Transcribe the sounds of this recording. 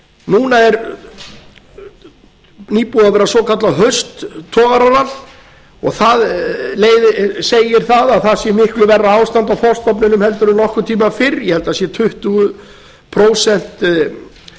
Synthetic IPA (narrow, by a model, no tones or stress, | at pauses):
nuːnaɛɾ | niːpuðavɛːɾasɔkʰat̪laɦœst̪ʰːɔːɣaɾanal | ɔ̰ɣθaðleːjðɪseːjɪɾ̥θaðaðθaðsjɛmɪhklʏvɛrːaaːwst̪ant̪awθɔst̪ɔp̬nɪnʏmhɛl̪t̪ʏɾʏmnɔhkʏt̪ʰiːmafɪɾjɛhɛlt̪asjɛt̪ʰʏht̪ʏɣʏ | pʰɾoːwsɛn̥t̪